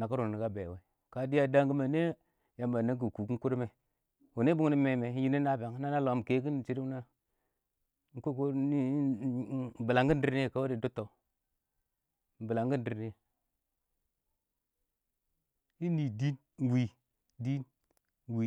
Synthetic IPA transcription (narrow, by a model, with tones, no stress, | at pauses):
na˨ka˦ɾu˨ni˨ka˦bḛ˨we˦ | ka˨di˦ja˦da˦ŋɡi˦ma˨ne˦ | ja˨mba˨na˦k̬i˨ku˨ku˦ŋ˦ku˦ɾme˨ | u˨ne˦bu˦ŋni˦me˨me˨˦ji˦ni˦na˦˨be˨ŋ˦na˦na˦lo˨m˨ke˦k̬i˦n˨t͡ʃi˦ɾi˦na˦ | ŋ̩˦ku˦ko˦i˦˨ | bi˨la˨ŋɡi˦n˦di˦ɾne˦˨ka˦wa˦di˨du˦tːo˨ | m̩˨bi˨la˨ŋɡi˦n˦di˨ɾe˦˨ | i˦ni˨di˦n˨ | wi˨ | di˦n˨ | wi˨